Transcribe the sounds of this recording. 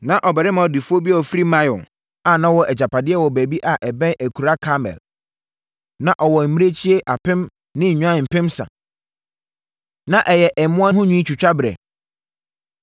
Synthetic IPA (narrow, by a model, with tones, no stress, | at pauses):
nã˦ʔɔ˨bɛ˨ɾɪ˦mã˨di˨fʊ˦o˦bi˦ɛ˦˨ɔ˨fɾi˦mã˦jɔ̰̃˨ | a˨nã˦wɔ˨ʔɛ˨d͡ʑa˨pʰa˨dɪ˦ɛ˦wɔ˨bæ˨bi˦ʔa˨ʔɛ˨bɛ̃˦nʔæ˨kʰu˨ɾa˦kʰa˦mɛ̰˨l | nã˨ʔɔ˨wɔ˨m̩˨mĩ˦e˦t͡ɕʰi˦e˦ʔa˨pʰɪ̃˦m | nɪ̃˦ɲ̩˨ɲᶣ˦ã˦m̩˨pɪ̃˦msã̰˨ | nã˦ʔɛ˨jɛ˨ʔɛ˨mʊ̃˦a˦ɦʊ̃˦ɲᶣũ˦i˦t͡ɕʰᶣu˨t͡ɕᶣa˦bɾɛ̰˨